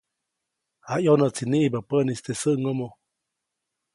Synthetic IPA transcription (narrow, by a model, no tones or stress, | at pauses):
haʔjonət͡siniʔbapənist̪esəʔŋomo